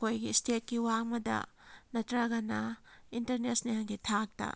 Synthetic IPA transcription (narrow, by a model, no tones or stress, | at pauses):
kojɡistet̚kiwaŋmɐdɐ̰nɐtɾɐɡɐnɐintɐɾnesnijaŋɡitʰak̚tɐ̰